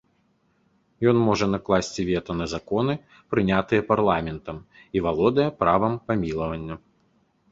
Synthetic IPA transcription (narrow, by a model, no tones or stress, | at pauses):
jɔnmɔʐɐnɐklˠasʲt͡sʲivʲɛt̪ɐnɐzakɔnɨ | pɾɨnʲat̪ɨjɛparlˠamʲɛnt̪ɐm | ivalˠɔd̪ɐjɛpɾavɐmpamʲilˠɐvɐnʲːɐ